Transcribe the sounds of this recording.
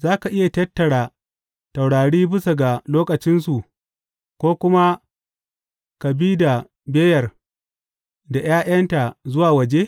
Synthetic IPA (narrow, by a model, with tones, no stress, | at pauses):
zaː˦ka˨ʔɪ˦ja˨tɐ˦tːɐ˨ɽaː˨ | ta˨wɽaː˨ɽiː˦bɪ˦sa˨ɡa˨loː˦kɐ˨t͡ʃɪ˦nsu˨ʔ | kʷoː˦kʷʊ˦ma˦ | ka˨biː˦da˨ | beː˦jɐ˨r | da˨j̰aː˦ʔɐ˦nta˨zʊ˦waː˨wɐ˨d͡ʒe˦